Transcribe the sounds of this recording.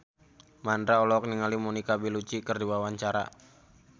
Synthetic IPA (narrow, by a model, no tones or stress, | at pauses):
mandɾaɔlɔk̚niŋalimonikabilut͡ʃikɨrdiwawaɲt͡ʃaɾa̰